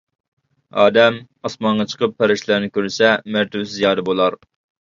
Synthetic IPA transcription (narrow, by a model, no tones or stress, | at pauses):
ɑ̰ːd̪ɛm | ɑsmɑnʁɑt͡ʃʰə̥qʰəpʰːæɾɪʃlˠæɾnɪkʲøɾsɛmæɾt̪ʰywsɪzijɑːd̪ɛbolˠɑɾ